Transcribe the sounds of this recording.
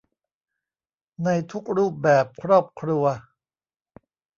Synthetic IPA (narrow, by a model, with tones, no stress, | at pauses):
na˧jt̪ʰu˦˥k̚ɾuː˥˩p̚bɛː˨˩p̚kʰɾɔː˥˩p̚kʰɾu˧ɐ